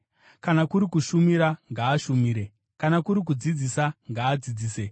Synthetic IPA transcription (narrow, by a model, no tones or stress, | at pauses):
kanakuɾikuʃumiɾaŋɡaːʃumiːɾe̞ | kanakuɾik̬ud͡zid͡zisaŋɡaːd͡zid͡ziːse